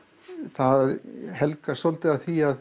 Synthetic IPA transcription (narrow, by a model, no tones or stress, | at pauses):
θaðɦɛlkasolt̪ɪaθiað